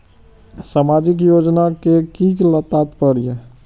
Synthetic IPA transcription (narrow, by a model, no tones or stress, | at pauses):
samaːd͡ʒɪk̬joːd͡ʒnakekiːklət̪at̪pəɾije